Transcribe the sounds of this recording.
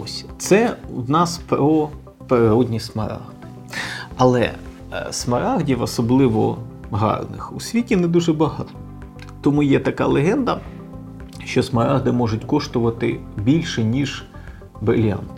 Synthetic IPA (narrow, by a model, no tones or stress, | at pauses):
ɔsʲt̪sɛwnɑspɾɔ | peɾɪɾɔdʲnʲismɐ̰ɾɑ̰ɣd̪ɪ | ɐlˠɛ̰ | smɐɾɑɣdʲiwɐsɔblˠɪʋɔɦɑ̰rnɪ̰xusʲʋʲitʲinɛd̪uʒɛbɐɦɑt̪ɔ̥ | t̪ɔmujɛt̪ɐkɑlˠeɦɛnd̪ɐ | ʃt͡ʃɔsmɐɾɑɦd̪ɪmɔʒʊtʲkɔʃt̪ʊʋɐt̪ɪ̰bʲilʲʃɛnʲiʒ | bɾɪlʲɑ̰nt̪ɪ